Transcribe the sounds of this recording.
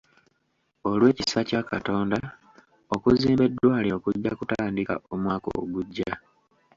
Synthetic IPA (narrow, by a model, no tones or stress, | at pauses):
o̞lwe̞ːcisacakato̞ːnda | okuziːmbe̞dwaːlio̞kuɟːakutaːndika̰omwaːko̰ɡuɟːa